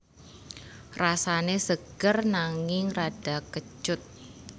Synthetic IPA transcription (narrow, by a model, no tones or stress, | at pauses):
rasanesəɡ̥ərnaŋɪŋraɖ̥a̤kət͡ʃʊt̪̚